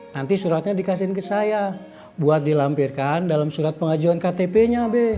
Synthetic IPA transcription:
nant̪isuɾat̪̚ɲadikas̬inkəsaja | buat̪̚dilampirkandalamsuɾat̪̚pəŋad͡ʒuankat̪epeɲabɛ

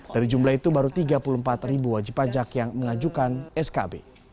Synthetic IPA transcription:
daɾid͡ʒumlahit̪ubaɾut̪iɡapulumpat̪ribuwad͡ʒipːad͡ʒakjaŋməŋad͡ʒukanɛskabe

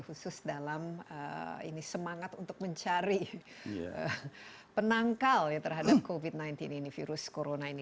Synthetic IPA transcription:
husʊsdalamə̰ḭnisəmaŋat̪unt̪ʊk̚məɲt͡ʃaɾi | ə̰ | pənaŋkaljat̪ərɦadap̚kovid̪̚najnt̪ɪninifiɾʊskoɾonaini

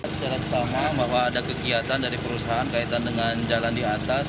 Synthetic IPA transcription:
t͡ʃaɾat̪̚samabaɦwaːdakəkiat̪andaɾipəɾusaɦːnkait̪andəŋand͡ʒalandiat̪as

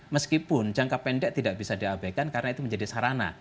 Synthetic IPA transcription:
məskipʊnt͡ʃaŋkapːɛndɛʔt̪idaʔb̥isadiabakankaɾənait̪uməɲd͡ʒadisaɾana̰

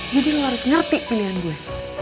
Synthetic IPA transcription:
d͡ʒidilaɾʊsŋərt̪ɪʔpiliandia

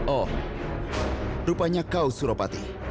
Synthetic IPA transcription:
ɔ | ɾupaɲakausuɾɔpat̪ḭ

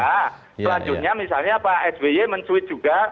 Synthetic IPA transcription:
a | səlaɲd͡ʒʊt̪̚ɲamisalɲapaʔɛsbejeməɲt͡ʃuɪt̪̚d͡ʒ̥uɡa

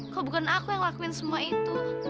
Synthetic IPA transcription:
kɔbukanakujaŋwakuɪnsəmuait̪u

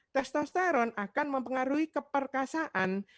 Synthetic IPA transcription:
t̪ɛst̪ɔst̪aɾɔnakanməmpəŋaɾuikəpərkasaʔan

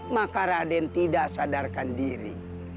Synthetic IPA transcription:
makaɾadɛnt̪idaʔsadarkandiɾḭ

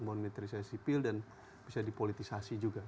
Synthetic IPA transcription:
monmit̪ɾisasipɪldan | b̥isadipolit̪isasid͡ʒuɡa

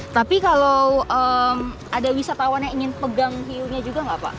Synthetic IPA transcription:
t̪apikalowəmʔadawisat̪awanɲaiŋɪnpəɡaŋfiuɲad͡ʒuɡaŋɡapa̰ʔ

